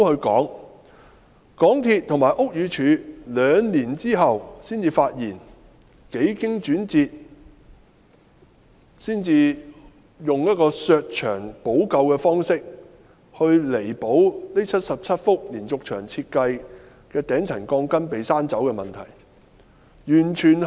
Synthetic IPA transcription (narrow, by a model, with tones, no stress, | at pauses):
hɵ˧ɥkɔː˨˥ŋ | kɔː˨˥ŋt̪ʰiː˧t̚t̪ʰʊ˨˩ŋmaː˨˩ʔʊ˥k̚jyː˨˧t͡ʃʰyː˨˧lœː˨˧ŋniː˨˩nt͡siː˥ɦɐ˨wsiː˥nt͡siː˧faː˧t̚jiː˨˩n | ke˨˥jkɪ˥ŋt͡ʃyː˨˥nt͡siː˧t̚ | siː˥nt͡siː˧ | jʊ˨ŋjɐ˥t̚kɔː˧sœː˧k̚t͡ʃʰœː˨˩ŋpo˨˥wkɐ˧wkɛː˧fɔː˥ŋsɪ˥k̚ | hɵ˧ɥle˨˩jpo˨˥wle˥t͡sʰɐ˥t̚sɐ˨p̚t͡sʰɐ˥t̚fʊ˥k̚liː˨˩nt͡sʊ˨k̚t͡ʃʰœː˨˩ŋt͡sʰiː˧t̚kɐ˧j | kɛː˧t̪ɛː˨˥ŋt͡sʰɐ˨˩nkɔː˧ŋkɐ˥npe˨jsaː˥nt͡sɐ˨˥wkɛ˧mɐ˨nt̪ʰɐ̰˨˩j | jyː˨˩nt͡ʃʰyː˨˩n